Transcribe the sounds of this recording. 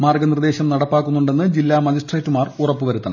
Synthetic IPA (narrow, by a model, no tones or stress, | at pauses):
maːrɡɐnird̪e̞ːɕɐmnɐɽɐpːaːkːunːuɳɖe̞nːɨd͡ʑilːaːmɐd͡ʑisʈreːtːumaːrurɐpːɨʋɐɾut̪ːɐnɐ